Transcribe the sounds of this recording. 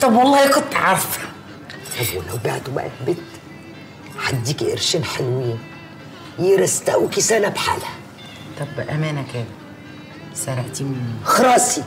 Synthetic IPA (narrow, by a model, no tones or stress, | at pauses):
t̪ˤɑbwɑlˤːɑːhjqɑt̪ˤːʕɑɾˤfæ̥ | alwlawba̰ʕt̪wba̰ʔa̰t̪̚bɪt̪ | ħad̪ːikʔɪ̰ɾʃinħalwɪjː | jiɾˤɑst̪aʔukisænabħa̰ːlhæ | t̪ˤɑbʔæmæːnækæːl | sæɾˤɑʕt̪ixɑɾˤɑːsi